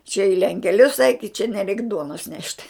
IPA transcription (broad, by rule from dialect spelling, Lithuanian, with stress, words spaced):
t͡ʃʲɛ ɪ lʲɛŋʲkʲɛˈlʲʊs ɛɪk ɪ t͡ʃʲɛ nʲɛˈrʲɛɪk ˈduɔnoːs nʲɛʃt